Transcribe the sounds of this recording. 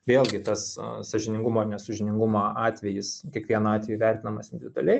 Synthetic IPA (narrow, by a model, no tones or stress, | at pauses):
ʋʲeːlˠʲɡʲɪt̪ɐssɐʒʲɪnʲɪŋɡʊmoːnʲɛsɐʒʲɪnʲɪŋɡʊmoːʔɑːt̪ʲʋʲɛjɪskʲiɛkʋʲiɛnɐɑːt̪ʲʋʲɛjuʋʲæˑɾʲt̪ʲɪnɐmɐsɪnʲd̪ʲɪʋʲɪd̪ʊɐ̰lʲɛɪ